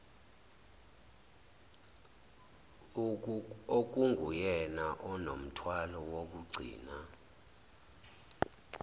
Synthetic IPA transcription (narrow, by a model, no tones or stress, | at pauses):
ok̬uŋɡʱujɛnaʔɔnom̩tʰwalɔwok̬uɡ͡ǀʱḭːna